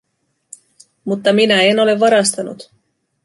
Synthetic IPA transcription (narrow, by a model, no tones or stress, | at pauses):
mut̪ːɑminæeno̞le̞ʋvːɑɾɑst̪ɑnṵt̪